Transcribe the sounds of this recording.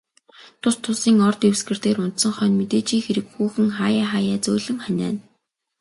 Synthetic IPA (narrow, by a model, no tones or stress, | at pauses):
t̪ʰʊst̪ʰʊsiːŋɔrt̪ewsɡɘ̆rt̪eːɾʊnt̪sə̆ŋχœːnmet̪eːt͡ɕiːŋxeɾɘ̆kxuːxɘ̆ŋχaːjaːχaːjæːt͡sɵːɮɘ̆ŋχœnʲæ̰ːn